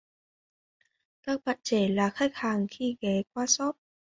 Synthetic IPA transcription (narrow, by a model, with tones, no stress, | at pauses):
ka˧˥k̚ba˨˩t̪̚t͡ɕeː˨˩laː˧˩kʰaː˧˥˩kʰaː˧˩ŋt̪ʰiː˧˩ɡɛː˨˦kwaː˧˩sɔ˧˦˥p̚